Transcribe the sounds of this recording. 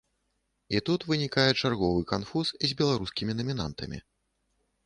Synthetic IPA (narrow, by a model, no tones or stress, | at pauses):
it̪ut̪vɨnʲikajɛt͡ʂarɣɔvɨkanfusizʲbʲɛlˠaɾuskʲimʲinɐmʲina̰nt̪ɐ̰mʲḭ